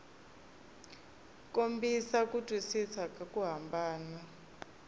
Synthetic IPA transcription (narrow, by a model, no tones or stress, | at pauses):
kʼombʱisak̬ʼutʼisisakʼakʼuɦambʱaːna